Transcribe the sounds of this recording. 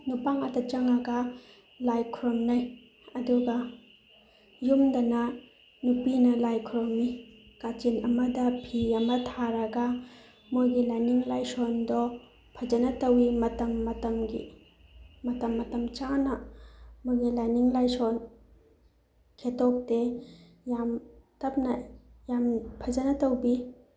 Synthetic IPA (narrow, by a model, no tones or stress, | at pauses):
nupaŋɐtɐt͡ʃɐŋɐɡɐ | lajkʰuɾɔmnaj | ɐduɡɐ | jumdɐnɐ | nupinɐlajkʰuɾɔmikat͡ʃinɐmɐdɐpʰiɐmɐtʰaɾɐɡa | mojɡilajniŋlajsɔndɔ | pʰɐd͡ʒɐnɐtɐwimɐtɐmːɐtɐmɡḭ | mɐtɐmːɐtɐmt͡ʃanɐmojɡilajniŋlajsɔn | kʰetɔp̚te | jamtɐp̚nɐjampʰɐd͡ʒɐnɐtɐwbi